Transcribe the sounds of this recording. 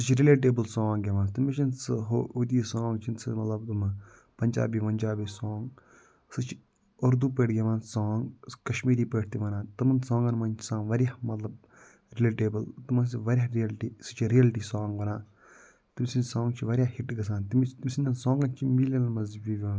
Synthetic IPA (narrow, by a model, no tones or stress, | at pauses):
sɨt͡ʃʰiɾileːʈ̬eːbɐlsõːŋɡʲeʋãːnt̪imit͡ʃinsɨɦoud̪ijɐsɔ̃ːŋɡt͡ʃʰinsimɐt̪lɐb̚t̪um | pɐɲʲd͡ʒa̰ːbiːʋɐnʲd͡ʒaːbiːsõːŋɡ | sɨt͡ʃʰi̥ | oɾd̪uːpeːʈɡʲɐʋaːnsaːŋɡkɐʃmiːɾiːpeːʈ̚ʰt̪iʋɐnãːt̪ɨmɐnsɔ̃ːŋɡɐnmɐnt͡ʃʰi̥sãːŋʋɐɾʲjahmɐt̪lɐb̚ | ɾileːʈeːbɐlt̪imɐns̬iʋɐɾʲjaɾiɐlʈiːsɨ̥t͡ʃʰiɾijɐlʈiːsɔːŋɡʋɐnaː | t̪imsinsɔ̃ːŋɡt͡ʃʰiʋɐɾjaːhiʈɡɐsaːnt̪imit̪imʲsinɐnsɔ̃ːŋɡɐnt͡ʃʰimilɐnmɐzbiʋo